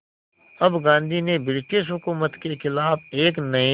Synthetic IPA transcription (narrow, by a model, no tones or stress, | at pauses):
ɐbɡãːnd̪ʱinebɪɾɪʈeːʃ̬ɦʊkuːmət̪kexɪlaːfeːknɐe